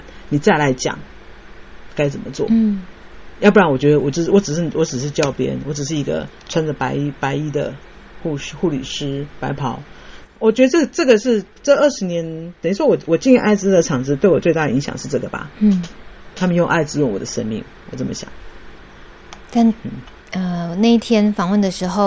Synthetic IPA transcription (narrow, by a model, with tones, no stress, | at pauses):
n | ni˨˩t͡sa˥˩ɪla˧˥ɪt͡ɕjɑ̰˨˦ŋ | ka˥ɪt͡sə˨˩mə˦t͡swɔ̰˥˩ | jɑ˥˧pu˥˩ɻa˥nwɔ˨˩t͡ɕɥɛ˧˥d̪ə˧wɔ˨˩˥wɔ˧˥ʈ͡ʂɻ̩˨˩ʂɻ̩˥˩wɔ˧˥ʈ͡ʂɻ̩˨˩ʂ̬ɻ̩˥˧t͡ɕjɑ˥˧ʊpjɛ̰˥nwɔ˧˥ʈ͡ʂɻ̩˨˩ʂ̬ɻ̩˥˩i˧˥ɡə̰˧ | t͡sʰwa˥nd͡zə˨pa˧˥ɪ˥pa˧˥ɪi˥d̪ə̰˨ | xu˥˧˥xu˥˩lḭ˨˩ʂɻ̩˥pa˧˥ɪpʰɑ˧˥˦ʊ | wɔ˨˩t͡ɕɥɛ˧˥d̪ə˧ʈ͡ʂɤ˥˩ʈ͡ʂɤ˥˩ɡə˨˩ʂɻ̩˥˧ | ʈ͡ʂə˥˧ə˥˩ʂɻ̩˧˥njɛ˧˥nt̪ə˨˩ni˥ʂwɔ˥wɔ˨˩wɔ˨˩t͡ɕi˥˧nɛ˥ʔa˥˩ɪt͡sɹ̩˥˧d̪ə˩ʈ͡ʂʰɑ˨˩ŋt͡sɻ̩˧˥t̪we˥˩ɪwɔ˨˩t͡swe˥˧ɪt̪a˥˩də˩i˧˥ŋɕjɑ̰˨˩ŋʂɻ̩˥˧ʈ͡ʂɤ˥˩ɡə˩ba̰˩˥t̪ʰa˥mə˨njo˥˧ŋʔa˥˧ɪt͡sɹ̩˧˥jo˥˩ŋwɔ̰˨˩d̪ə˦ʂə̰˥nmḭ˥˩ŋ | wɔ˨˩t͡sə˥˩mə̰˦ɕjɑ̰˨˩˦ŋ | t̪a˥˧nn̩˥˩ | ə˧˨˩na˥˧i˥˩t̪ʰjɛ˥nfɑ˨˩ŋwə˥˩nd̪ə˩ʂɻ̩˧˥xo˥˧ʊ